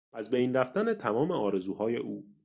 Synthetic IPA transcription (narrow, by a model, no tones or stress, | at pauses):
ʔæzbejnræft̪ænet̪ʰæmɒːme̞ɒːɾe̞zuːhɒːje̞ʔuː